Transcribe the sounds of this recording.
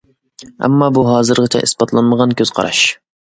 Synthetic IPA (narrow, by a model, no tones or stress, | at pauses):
ɛ̰mːɑːbuɦɑːzɨɾʁɨt͡ʃʰɛ̰ʔḭsbɑt̪lˠɑnməʁɑnkʲʰøzqʰɑ̰ɾɑ̰ʃ